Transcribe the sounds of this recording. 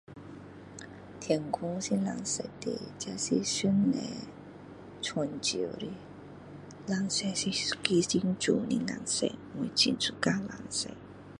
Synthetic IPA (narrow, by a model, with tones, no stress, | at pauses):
t̪ʰjɛ˨ŋkʰu˥˦ŋsi˧˥nla˨˧˩ŋse˧˩t̪e˨˩t͡ɕa˧si˧sy˥nlɛ˧˨ | t͡sʰɔ˧˨nt͡ɕḭ˨ɾi˧˦ | la˨˧ŋsɛ˧si˧˥ki˧˦si˧˥ŋt͡ʃu˨˩nḭ˧ŋa̰˨˧˩ŋsḛ˧˨ŋu˨˧˩t͡ɕi˧˨nt͡sʰu˧ka˦˧la˨˩ŋse˧˨